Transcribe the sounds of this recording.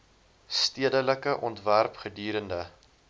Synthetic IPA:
stiədələkəʔɔntværpχədiːɾəndə

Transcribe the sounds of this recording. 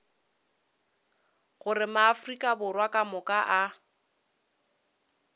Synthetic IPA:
ɣʊrɪmaːfrikʼabʊrwakʼamʊkʼaʔa

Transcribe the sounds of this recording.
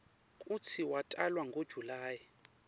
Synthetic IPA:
kʼut͡sʰiwatʼalwaŋɡod̥ʒ̥ʱulaːji

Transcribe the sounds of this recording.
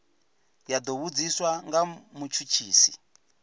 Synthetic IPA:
jad̪ɔβud͡ziswaŋɡamut͡ʃʰut͡ʃʰiːsi

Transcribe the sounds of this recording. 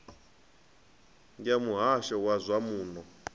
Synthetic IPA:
ŋɡamuɦaʃɔwazʷamuːnɔ

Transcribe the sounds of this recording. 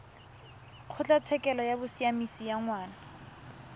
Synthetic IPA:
q͡χʰʊt͡ɬʼat͡sʰɛkʼɛlɔjabʊsiamisijaŋwaːna

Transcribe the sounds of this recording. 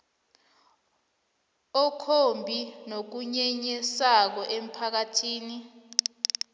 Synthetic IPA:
ɔkʰombʱinok̬uɲɛɲɛsak̬ɔʔem̩pʰak̬atʰiːni

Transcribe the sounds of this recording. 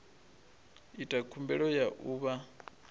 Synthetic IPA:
itʼakʰumbɛɺɔjaʔuːβa

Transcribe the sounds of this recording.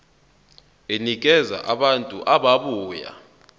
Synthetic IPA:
enik̬ɛza̰ʔaɓantʼṵʔaɓaɓuːja̰

